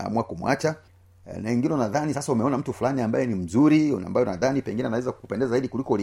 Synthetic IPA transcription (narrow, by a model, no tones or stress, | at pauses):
a̰muwakumwa̰t͡ʃa | naiŋɡinɛunaðanisasaumɛɔnam̩tufulaniambajɛnim̩zuɾia̰mbajɔnaðanipɛŋɡinɛanawɛzakku̥pɛndɛzazaiɗikulikɔli